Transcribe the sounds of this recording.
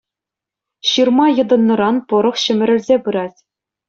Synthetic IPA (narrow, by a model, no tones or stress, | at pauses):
ɕɯrmɑjɤ̆d̪ɤ̆nːɤ̆ɾɑnpɤ̆ɾɤ̆χɕɘ̆mʲɘ̆ɾʲɘ̆rʲzʲepɯɾɑtʲ